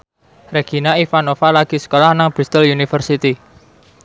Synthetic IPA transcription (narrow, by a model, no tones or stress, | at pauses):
reɡ̥i̤naifanofalaɡ̥i̤sə̥kolahnaŋb̥ɾist̪əljunifərsit̪i